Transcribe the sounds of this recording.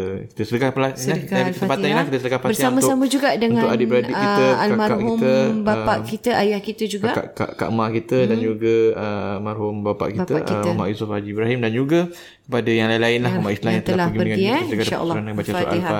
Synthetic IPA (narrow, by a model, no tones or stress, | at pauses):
ki̥t̪əsədəkaplanakiakəpat̪anlahkit̪əsədəkahpabərsamasamə̃d͡ʒuɡaʔdəŋãʊʔadiəɾadiʔkiəalamaakɦiut̪əbaaʔkit̪əʔajahkit̪əd͡ʒuɡakʔka̰ʔka̰ʔmakit̪ədand͡ʒuɡaəmarhumbapa̰ʔkit̪əʔ̪amã̰ʔjusʊfad͡ʒiːbɾaɦimdand͡ʒuɡa | kə̥padajaŋlailaɪnlahkamaʔislamjãt̪əlalaɡiədəŋaiit̪əkət̪əa̰lsːɾanabat͡ʃasuɾʔa̰a